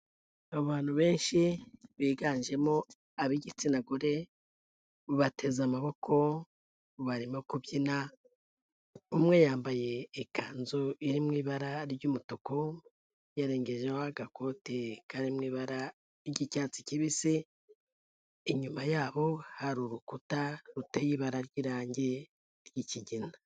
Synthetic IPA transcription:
aβaːn̥uβe̞ːnʃiβiːɡaːnʒe̞mo̞ | aβiɟit͡sinaɡoɾe̞ | βatʰe̞zamaβo̞kʰo̞ | βaɾimokuβjina | umŋe̞jaːmbaje̞ːkʰaːnzoiɾimŋiːβaɾaɾɟuːmutuko̞ | jaɾe̞ːŋɡe̞ʒehoaɡakʰo̞tekaɾimŋiːβaɾa | ɾɟicaːt͡si̥ciβise | iɲumajaːβo̞haɾuɾukutaɾutejiβaɾaɾɟiːɾaːɲɟe̞ | ɾjiciɟina

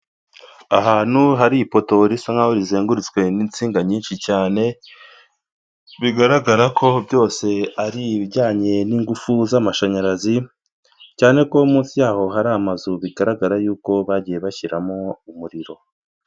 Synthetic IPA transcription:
aɦaːn̥huɦaɾipo̞to̞ɾisaŋɡahoɾizeːŋɡuɾit͡swe̞nint͡siːŋɡaɲiːnʃicaːne̞ | βiɡaɾaɡaɾakʰo̞bjo̞ːse̞aɾiβiɟaːɲe̞niːŋɡufuzamaʃaɲaɾazi | caːne̞ko̞umuːnsijaːho̞ɦaɾamazuβiɡaɾaɡaɾajuːko̞βaɟije̞βaçiɾamo̞umuɾiɾo̞

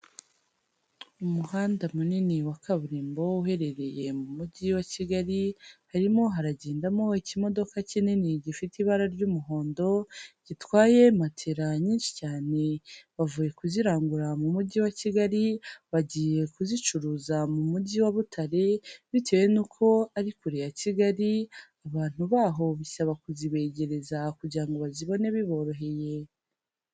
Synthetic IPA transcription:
umuhaːndamuniniwakʰaβuɾiːmbo̞uɦe̞ɾe̞ɾe̞je̞mumuɟiwaciɡaɾihaɾimo̞ɦaɾaɟe̞ːndamo̞icimo̞do̞kacininiɟifitiβaɾaɾɟumuɦo̞ːndo̞ɟ̥itwaːje̞matʰeɾaɲiːnʃi̥caːne̞βavuje̞kuziɾaːŋɡuɾamumuɟiwaciɡaɾiβaɟiːje̞kuzit͡ʃuɾuːzamumuɟiwaβutʰaɾeβite̞ːwe̞nukʰo̞aɾikuɾejaciɡaɾiaβaːn̥uβaːɦo̞βisaβakuziβe̞ːɟe̞ɾe̞zakuɟiɾaŋɡo̞βaziβo̞ne̞βiβo̞ɾo̞ɦe̞je̞

